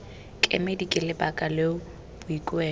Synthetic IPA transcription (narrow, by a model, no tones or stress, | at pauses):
kʼḛmedikʼɪlɪbakʼaleʊ | b̥ʊikʼwɛː